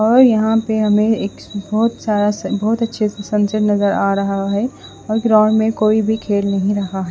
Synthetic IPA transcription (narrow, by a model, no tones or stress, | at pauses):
ɔːɾjɐɦãpeɦɐmẽeːk | bɔːʊt̪saːɾasbɔɦt̪ɐtːʃʰesɐ̃nsɪʈnɐzəɾaːɾɐɦaɦɛ | ɔːɾɡɾaːɳmẽkoːibʱikʰeːlnɐɦĩɾɐɦaɦɛː